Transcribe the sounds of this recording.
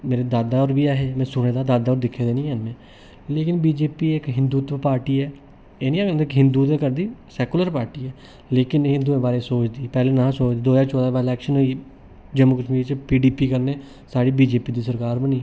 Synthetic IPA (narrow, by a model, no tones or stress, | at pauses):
meːɾeːd̪aːd̪aːɔːɾbiːɛːɦeːmɛ̃ːsʊɽ̃eːd̪aːd̪aːd̪aːɔːɾd̪ɪkʰːeːd̪eːnĩːənmẽː | leːkɪnbiːd͡ʒeːpiːɪkɦɪ̃nd̪uːt̪paːɾʈiːɛː | eːnĩːkɪkɦɪ̃nd̪uːt̪eːkəɾd̪iːsɛːkuləɾpaːɾʈiːɛː | leːkɪneɦɪ̃nd̪uːẽːbaːɾeːsoːt͡ʃd̪iːpɛːleːnãːsoːt͡ʃd̪iːd̪oːd͡ʒaːt͡ʃɔːd̪aːbaːɪlɛːkʃənɦoiː | d͡ʒɛːmuːkəʃmiːɾt͡ʃpiːɖiːpiːkəɾneː | saːɽiːbiːd͡ʒeːpiːd̪iːsəɾkaːɾbəniː